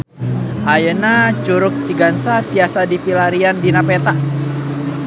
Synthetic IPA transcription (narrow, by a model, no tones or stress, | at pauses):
ʔajənat͡ʃuɾʊk̚t͡ʃiɡansatiasadipilaɾiandinapet̪a